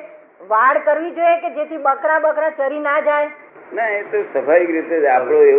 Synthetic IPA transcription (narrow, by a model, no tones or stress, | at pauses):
ʋaɽkəɾʋid͡ʒojeked͡ʒet̪ʰibəkɾabəkɾat͡ʃəɾinad͡ʒaj | naet̪osəpaikɾit̪eapɭoe